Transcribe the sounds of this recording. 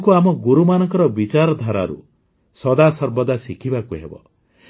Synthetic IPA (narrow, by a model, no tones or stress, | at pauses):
kuamɔɡuɾumanɔŋkɔɾɔbit͡ʃaɾɔd̪ʱaɾa̰ɾṵ | sɔd̪asɔɾbɔd̪asikʰibakuɦḛbɔ̰